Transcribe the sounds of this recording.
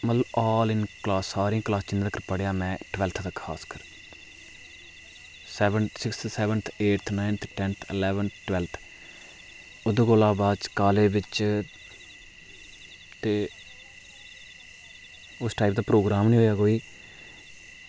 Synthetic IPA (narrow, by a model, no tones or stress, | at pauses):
mət̪ləbaːlɪnklaːsːaːɾiĩːklaːst͡ʃɪnd̪aːkəɾpəɽjaːmɛ̃ːʈʋɛlt̪ʰd̪akʰa̰ːskəɾ | sɛːʋənsɪkssɛːʋənt̪ʰeːʈt̪ʰnaːɪnt̪ʰeʈɛːnt̪ʰɪlɛːʋənʈʋɛlt̪ʰ | ʊd̪oɡoːlaːbaːd̪t͡ʃkaːleːbɪt͡ʃ | t̪eː | ʊsʈaːiːp̚d̪aːpɾoːɡɾaːmnĩːɦoːjaːkoːiː